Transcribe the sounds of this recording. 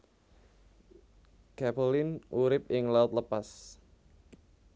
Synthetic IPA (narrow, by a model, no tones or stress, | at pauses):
kapolɪnʔuɾɪp̚ɪŋlaʊt̪̚ləpas